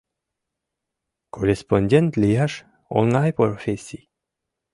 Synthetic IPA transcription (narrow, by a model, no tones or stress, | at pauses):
kʰoresponʲd̪ʲent̪lʲijaʃ | o̰nlajpoɾofesʲi